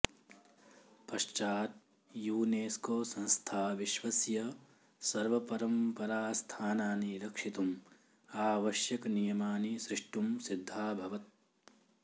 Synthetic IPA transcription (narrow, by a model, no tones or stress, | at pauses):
pɐʃt͡ʃaːt̪̚ | juːneːskoːsɐ̃nst̪ʰaːʋiʃʋɐsjɐ | sɐɾʋɐpɐɾɐmpɐɾaːst̪ʰaːnaːniɾɐkʂit̪um | aːʋɐʃjɐknijɐmaːnisɾɪʂʈumsid̪ʱːaːbʱɐʋɐt̪̚